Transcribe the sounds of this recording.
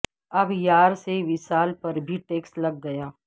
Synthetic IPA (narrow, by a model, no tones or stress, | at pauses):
ɐbjaːɾseʋɪsaːlpɐɾbʱiʈeːksʈlɐɡːɐjaː